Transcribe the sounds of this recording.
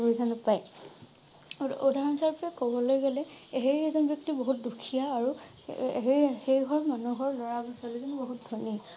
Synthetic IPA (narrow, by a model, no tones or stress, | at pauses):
bizanʊpaj | odʱaɹɔnsʰaɹpɔakɔbɔlojɡɔlɛɦejɛzɔnbjɔk̚tibɔɦut̚dukʰijaːɹu | ɦehejɡʱɔɹmanuɦɔɹlɔɹaɡɔsɔlizɔnbɔɦut̚dʱɔniɔ